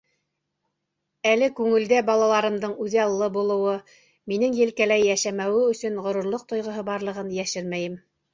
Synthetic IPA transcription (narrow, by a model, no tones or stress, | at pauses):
ælɘkʉŋɘ̆ld̪æbɑlˠɑlˠɑɾɤ̆md̪ɤɴʉðɑlˠːɤbulˠɤ̆wɤ | minɘŋjɘ̆lkælæjːæʃæmæwɘɵ̆sɵnʁŏɾŭɾlˠoq̚t̪ŏjʁɤ̆ɦɤbɑɾlˠɤ̆ʁɤnjæʃɘɾmæjɘm